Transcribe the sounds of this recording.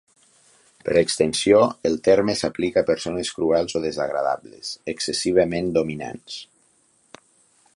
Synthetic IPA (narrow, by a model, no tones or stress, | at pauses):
pəɾəkst̪ənsioəlˠt̪ɛɾmesaplikaːpəɾsonəskɾuɛlˠzoðəzaɣ̞ɾaða̰βlḛsəksəsiβ̞əmend̪omina̰ns